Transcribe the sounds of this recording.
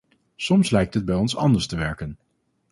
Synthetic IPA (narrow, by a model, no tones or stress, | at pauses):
sɔmslɛjk̚tɦəd̚bɛjɔnsɑ̰ndəɹstəʋɛɹkən